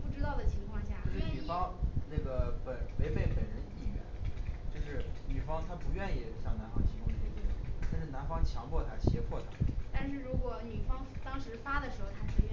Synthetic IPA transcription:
pu˥˩ʈ͡ʂɻ̩˥t̪ɑ˥˩ʊd̪ə˩t͡ɕʰi˧˥ŋkʰwɑ˥˧ŋɕja˥˩o˥˧˩ʂɻ̩˥˩ny˨˩fɑ˥ŋna˥˩ɡə˩pə˨˩nwe˧˥ɪpe˥˩ɪpə˨˩nɻə˧˥ni˥˩ɥɛ̰˧˥nnt͡ɕjo˥˧ʊʂɻ̩˥˩ny˨˩fɑ˥ŋt̪ʰa˥pu˧˥jɥɛ˥˧ni˥˧ɕjɑ˥˩ŋna˧˥nfɑ˥ŋt͡ɕʰi˧˥ŋʰʊ˥ŋd̪ə˧˩i˥˩ḭ˥˩˥t̪ʰnʂɻ̩˥˩na˧˥nfɑ˥ŋt͡ɕʰjɑ˧˥ŋpʰwɔ˥˩t̪ʰa˥t͡ɕʰjɛ˥kʰwɔ˥˩t̪ʰa˧˥t̪a˥˧nʂ̬ɻ̩˥˩ɻu˧˥kwɔ˧˥ny˨˩fɑ˥ŋt̪ɑ˥ŋʂɻ̩˧˥fa˥d̪ə˨ʂɻ̩˧˥xo˧ʊt̪ʰa˥ʂɻ̩˥˧˥

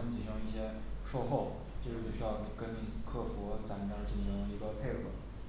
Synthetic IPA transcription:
n˧˥t͡ɕi˨˩ɕɤ˥˧ŋi˥˩ɕjɛ˥ʂo˥˧ʊxo˥˩ʊ | t͡ɕjo˥˧ʊʂɻ̩˥˧t͡ɕo˥˧ɕy˥jɑ˥˩ʊt̪kə˥nni˨˩kʰɤ˥˩fɔ˧˥t̪a˧˨˥n˥˩n˧˥˩t͡ɕi˨˩nɕɤ˧˥ŋd̪ə˧i˧˥ɡə˧pʰe˥˧ɪxə˨˩˦

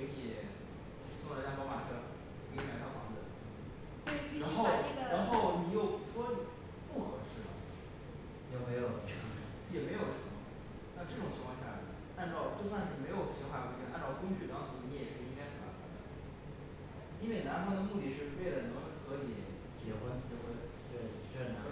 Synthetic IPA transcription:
e˧˥ɪni˨˩ | t͡sʰʊ˥˩lna˥˩kɑ˧˥ma˨˩ʂʰɤ˥˩ | i˧˥˩a˨˩t͡ɕjɑ˥˩fɑ̰˧˥ŋd͡zə˧˥˩ | ɻa˧˥nxo˥˧ʊ˥˩ɻa˧˥nxo˥˩ʊni˨˩jo˥˩ʊʂwɔ˥ | pu˥˩xɤ˧˥ʂɻ̩˥˩lə̰˩˨˩ | jme˧˥ɪjo˨˧˩ʊ˧˩˥ | jɛ˨˩me˧˥ɪjo˨˩ʊʂə˧˥mə̰˧˩ | na˥˧ʈ͡ʂɤ˥˩ʈ͡ʂʊ˨˩ŋt͡ɕʰi˧˥ŋkwɑ˥ŋɕja˥˩˧ | a˥˧nʈ͡ʂɑ˥˧ʊt͡ɕjo˥˧ʊswa˥˩ni˨˩me˧˥ɪjo˨˩ʊɕʰi˥ŋxwa˥˧˩kt͡ɕʰɛ˥˧nʔa˥˧nʈ͡ʂɑ˥˩ʊkʊ˥ŋɕy˥˧˥ŋsu˥˧ni˧˥jɛ˨˩ʂɻ̩˥˩i˥ŋka˥ɪʂʰə˧˥˩a̰˥˩ka̰˧˥˩ | i˥nwe˥˩ɪna˧˥nmu˧˥d̪ə˧mu˥˧t̪i˥˩ʂɻ̩˥˧pwe˥˩lə˩nɤ˧˥ʂ̩˥kʰɤ˧˥i˨˩˦ | t͡ɕjɛ˧˥xwə˥nt͡ɕjɛ˧˥xwə˥n | ʈ͡ʂʈ͡ʂna˧˥

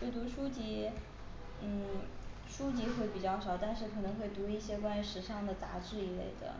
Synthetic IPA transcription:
we˥˩t̪u˧˥ʂu˥t͡ɕi˧˥ | n̩˥˩ | ʂu˥t͡ɕi˧˥xwe˥˩ɪpi˨˩t͡ɕjɑ˥˩ʊʂɑ˨˩˦ʊt̪a˥˧nʂɻ̩˥˩kʰɤ˨˩nɤ˧˥ŋxwe˥˩ɪt̪u˧˥i˥˩ɕjɛ˥kwa˥ny˧˥ʂɻ̩˧˥ʂɑ˥˩ŋd̪ə˩t͡sa̰˧˥ʈ͡ʂɻ̩˥˩i˧˥lḛ˥˩ɪd̪ə̰˩

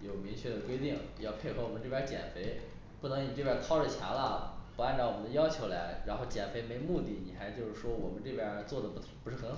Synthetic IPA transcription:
jo˨˩ʊmi˧˥ŋt͡ɕʰɥɛ˥˩d̪ə˩kwe˥ɪt̪i˥˩ŋ˧jɑ˥˧ʊpʰe˥˧ɪkxwə˥˩wɔ˨˩mə˦ʈ͡ʂɤ˥˩pʲjʲə˧˥t͡ɕjɛ̰˨˩nfe˧˥ɪ | pu˥˩nɤ˧˥ŋni˨˩ʈ͡ʂɤ˥˩pʲjɛ˥k̪ʰɑ˥ʊʈ͡ʂə˨˩t͡ɕʰja̰˧˥lə˧pu˧˥a˥˧nʈ͡ʂɑ˥˩ʊwɔ˨˩mə˦nd̪ə˧jɑ˥ʊt͡ɕʰjo˧˥ʊla˧˥ɪɻa̰˧˥nxo˥˩ʊt͡ɕjɛ˨˩nfe˧˥ɪme˧˥ɪmu˥˧t̪i˥˩ni˨˩xa˧˥ɪt͡ɕjo˥˧ʊʂɻ̩˥˩ʂwɔ˥wɔ˨˩mə˦nʈ͡ʂɤ˥˩pʲjɛ˥t͡swɔ˥˩d̪ə˩ppʂɻ̩˥˩xə˧˥n

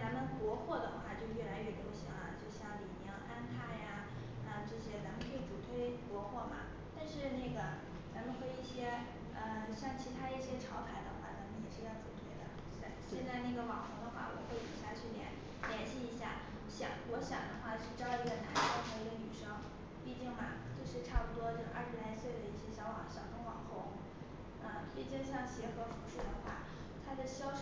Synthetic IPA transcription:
t͡sa˧˥mə˨nkwɔ˧˥xwɔ˥˩d̪ə˩xwa˥˩t͡ɕjo˥˧ʊɥɛ˥˩la˧˥ɪɥɛ˥˩t̪o˥ʊɕi˧˥˩ŋə˩t͡ɕjo˥˧ʊɕjɑ˥˩ŋli˨˩mi˧˥ŋa˥nt̪ʰa˥˩ɪja˩ | ə˧˩ʈ͡ʂɤ˥˩ɕjɛ˥t͡sa˧˥mə˧nkʰwe˥˩ʈ͡ʂu˨˩t̪ʰwe˥ɪkwɔ˧˥xwɔ˥˩mɐ̰˩ | t̪a˥˧nʂɻ̩˥˧ne˥˩ɪɡə˩ | t͡sa˧˥mə˧nxwe˥˧ɪ˧i˥˩ɕjɛ˥ | ə˧ɕjɑ˥˩ŋt͡ɕʰi˧˥t̪ʰa˥i˥˩ɕjɛ˥ʈ͡ʂʰɑ˧˥ʊpʰa˧˥ɪd̪ə˧xwa̰˥˩t͡sa˧˥mə˧njɛ˨˩ʂɻ̩˥˧jɑ˥˩ʊʈ͡ʂu˨˩t̪ʰwe˥˩ɪd̪ə̰˩˥˩ | ɕjɛ˥˧nt͡sa˥˧ɪna˥˩ɡə˩wɑ˨˩ŋʈ͡ʂʰɤ˧˥ŋd̪ə˧xwa̰˥˩wɔ̰˨˩xwe˥˩ɪpu˨˩ɕja˥˧t͡ɕʰy˥˩ljɛ˧˥n | ljɛ˧˥nɕi˥˩i˧˥ɕja̰˥˩ | ɕjɑ̰˨˩˦ŋwɔ˧˥ɕjɑ̰˨˩ŋd̪ə˦xwa˥˧ʂʰɻ̩˥˧ʈ͡ʂɑ˥ʊi˧˥ɡə˧na˧˥ɪtɑ˥˩ʊʈ͡ʂʰa˧˥i˧˥ɡə˧˩ny˨˩ʂɤ˥ŋ | pi˥˧t͡ɕi˥˩ŋbɐ̰˨˩t͡ɕjo˥˧ʊʂɻ̩˥˧ʈ͡ʂʰa˥˧pu˨˩t̪wɔ˥t͡ɕo˥˧ʔɐ̰˥˧˩ʂɻ̩˧˥la˧˥ɪswe˥˩ɪd̪ə˩i˥˩ɕjɛ˥ɕjɑ˧˥ɑ̰˨˩ŋɕjɑ˨˩ʊt̪ʊ˥ŋwɑ˨˩ŋxʊ˧˥ŋ | ə˧p̪ʰɛ˥˧t͡ɕɛ˥nʂɑ˥˩ŋɕjɛ˧˥xɤ˧˥fuu˧˥ʂu˥˩d̪ə˩xwa̰˥˩ | t̪ʰa˥d̪ə˨ɕjɑ˥ʊʂ

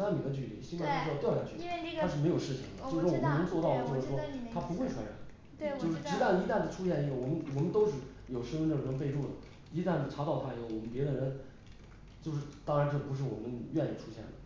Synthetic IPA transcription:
a˥nmi˨˩d̪ə˦t͡ɕy˥˩lḭ˧˥ɕi˥a˥˧o˥˧˥jt̪jʊa˥˩t͡ɕʰy˥˩˥a˥ʂɻ̩˥˩me˧˥ɪjo˨˩ʊʂɻ̩˥˩t͡ɕʰɪ̰˨˩ŋd̪ə˩o˥˧ʂɻ̩˥wɔ˥˨˩ə˦nɤ˧˥ŋt͡swɔ˥˧t̪ɑ˥˩ʊd̪ə˩jo˥˧ʊʂɻ̩˥˧ʂwɔ˥tt̪ʰa˥pu˧˥xwe˥˩ɪxə˧˥ɻə̰˧˥n˧ | jo˥˧ʂɻʈ͡ʂɻ̩˧˥t̪a˥˩ni˧˥t̪a˥˩nd̪ə˩ʈ͡ʂʰu˥ɕjɛ˥˩ni˧˥ɡə˩wɔ˨˩mə˦nwɔ˨˩mə˦nt̪o˥ʊʂɻ̩˥˩ | jo˨˩ʊʂɤ˥ŋə˥nʈ͡ʂɤ˥˩ɻə˧ə˧˥p̬e˥˧ɪʈ͡ʂu˥˩d̪ə̰˩ | i˧˥t̪a˥˩nd̪ə˩ʈ͡ʂʰa˧˥t̪ɑ˥˩ʊt̪ʰa˥i˧˥xo˥˩ʊwɔ˨˩ə˦npjd̪ə˧ɻə˧˥n | t͡ɕjo˥˧ʂɻ̩˥˩t̪ɑ˥ŋɻa˧˥nʈ͡ʂɤ˥˩pu˧˥ʂ̬ɻ̩˥˩wɔ̰˨˩mə˦nɥɛ˥˧nḭ˥˩ʈ͡ʂʰu˥ɕjɛ̰˥˩nd̪ə˩

